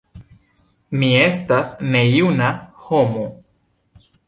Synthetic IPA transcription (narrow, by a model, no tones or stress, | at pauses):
mie̞stasne̞junahomo